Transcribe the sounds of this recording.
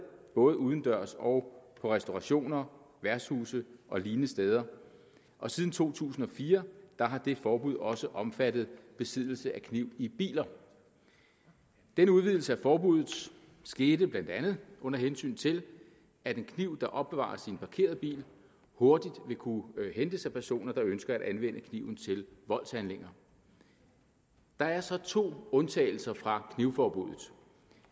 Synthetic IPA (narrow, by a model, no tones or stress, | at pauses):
b̥ɔ̽ːð̞ˠəuːð̞ˠn̩d̥ɶɐ̰sɒʊpʰɒ̽ʁɛsd̥o̝ʁɑ̈ɕo̝̰ːnɐ | ʋæɐshuːsəʔɒ̽liːnəsd̥eːð̞ˠɐ | ʔɒ̽siːð̞ˠn̩t͡sʰo̝̰ːt͡sʰṵːsn̩ɒ̽fiːɐd̥ɑ̈ɦɑ̈d̥e̝fɒːb̥uðˠɒ̽səʔɒ̽mfæd̥ð̩ˠb̥e̝sið̰ˠl̩səʔækʰniʊ̰ib̥ḭːlɐ | d̥enəuðˠʋið̞ˠl̩səæfɒːb̥uð̰ˠð̩ˠ | sɡ̥e̝ːd̥əb̥lænd̥ænð̞̩ˠʔɔ̽n̰ɐɦensy̰ːnt͡sʰe̝l | æd̥e̝nkʰniʊ̰d̥ɑ̈ʔɒ̽b̥ːe̝ʋɑ̰̈ːɐsinpʰɑ̈kʰe̝̰ːɐðˠb̥ḭːl | ho̝ɐd̥id̥ʋe̝kʰuhend̥əsæpʰæɐso̝̰ːnɐd̥ɑ̈ønsɡ̥ɐæɾænʋen̰ʔəkʰniʊn̩t͡sʰe̝lʋɒ̽l̰shænle̝ŋ̰ɐ | d̥ɑ̈æɐsɒ̽t͡sʰo̝̰ːɔ̽nt͡sʰɛ̰ːɪl̩sɐfʁɑ̈kʰniʊfɒːb̥ṵð̰ˠð̩ˠ